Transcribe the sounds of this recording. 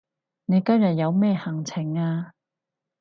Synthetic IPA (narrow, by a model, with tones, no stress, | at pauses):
ne˨˧jkɐ˥mjɐ˨t̚jɐ˨˧wmɛː˥hɐ˨˩ŋt͡sʰɪ˨˩ŋaː˧